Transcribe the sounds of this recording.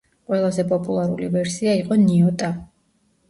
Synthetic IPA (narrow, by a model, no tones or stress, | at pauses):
qʼwɛlˠazɛpʼɔpʼulˠaɾṵlḭvɛɾsiaiqʼɔniɔt̪ʼa